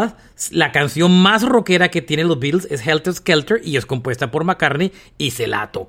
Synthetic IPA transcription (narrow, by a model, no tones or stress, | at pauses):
a | lakansjo̞nmasro̞ke̞ɾake̞t̪jenelo̞zbit̪lse̞sxelt̪eskelt̪eɾʔie̞sko̞mpwe̞st̪apo̞ɾmakaɾne | ise̞la̰t̪o